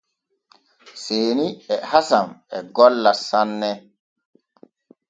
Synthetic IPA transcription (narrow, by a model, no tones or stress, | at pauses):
seːniɛhasamɛɡɔlːasanːɛ